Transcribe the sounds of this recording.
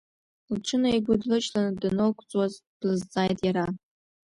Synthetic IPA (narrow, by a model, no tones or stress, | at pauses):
lʈ͡ʂʰɨnaiɡʷʊdlɨt͡ʃʼlanɨdɨnɨlkʷʰʼt͡sʼwazb̥lɨzd͡zaːjtʼjaɾa